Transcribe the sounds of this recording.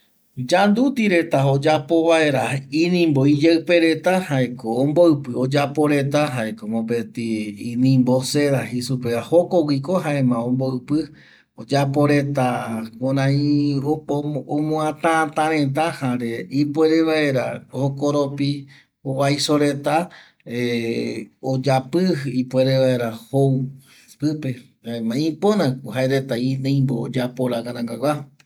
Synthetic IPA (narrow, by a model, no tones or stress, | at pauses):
d͡ʒand̪ut̪iɾe̞t̪aod͡ʒapo̞βae̞ɾaĩnĩmboid͡ʒeɨpe̞ɾe̞t̪ahaekõːmboɨpɨod͡ʒapo̞ɾe̞t̪aɦaekomõpet̪iːnĩmbo̞seðaɦisupeahokowikoɦaemãõmboɨpɨ | od͡ʒapo̞ɾet̪akoɾãĩoomõãt̪ãt̪ãɾẽt̪̬ahãɾeipweɾeʋaeɾa̰hokoɾopi | oβajsoɾe̞t̪a | e | od͡ʒapɨipweɾeʋaeɾahow | pɨpe | haemãĩpõnãhaeɾet̪aiẽj̃mbo̰ːd͡ʒapoɾaɡãnãŋɡaɡʷwa